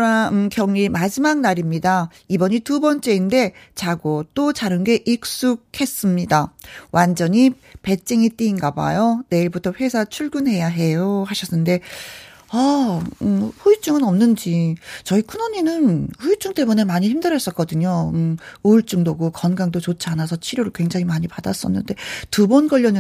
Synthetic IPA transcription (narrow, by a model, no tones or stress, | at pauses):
ɾaɯkjʌŋimad͡ʑimak̚naɾimɲida | ibʌɲitubʌnt͡ɕ͈e̞inde̞t͡ɕaɡot͈ot͡ɕaɾɯnɡe̞ʔik̚s͈uk̚he̞s͈ɯmɲidawʔand͡ʑʌɲi | pe̞t͡ɕ͈eŋit͈iːnɡaba̰jone̞iɭbutʰʌɸwe̞sʰat͡ɕʰuɭɡunɦe̞jaɦe̞johaɕʰʌsɯnde̞ | aɯɸuit͡ɕ͈uŋɯnʌmnɯnd͡ʑit͡ɕʌikʰunoɲinɯnhuit͡ɕ͈uŋt͈e̞mune̞maɲiçimdɯɾʌs͈ʌt̚k͈ʌdɯɲoɯɯɭt͡ɕ͈uŋdoɡukʌnɡaŋdot͡ɕot͡ɕʰianasʰʌt͡ɕʰiɾjoɾɯɭkwe̞ŋd͡ʑaŋimaɲipadas͈ʌnːɯ̰nde̞tubʌnɡʌʎːjʌnɯ